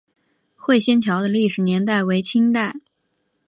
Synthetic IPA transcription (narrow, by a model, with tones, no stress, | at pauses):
xwe˥˧ɪɕjɛ˥nt͡ɕʰjɑ˧˥ʊd̪ə˧li˥˩ʂɻ̩˨˩njɛ˧˥nt̪a˥˩ɪwe˧˥ɪt͡ɕʰi˥ŋt̪a˥˩ɪ